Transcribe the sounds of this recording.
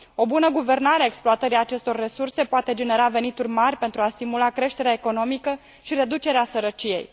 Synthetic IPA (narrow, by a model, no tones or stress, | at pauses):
o̞bunəɡuve̞rnaɾeaeksploat̪əɾiat͡ʃe̞st̪o̞rːe̞surse̞poat̪e̞d͡ʒe̞ne̞ɾave̞nit̪urʲmarʲpe̞nt̪ɾuast̪imulakɾe̞ʃt̪e̞ɾeaeko̞no̞mikə | ʃiɾe̞d̪ut͡ʃe̞ɾeasəɾət͡ʃije̞̰j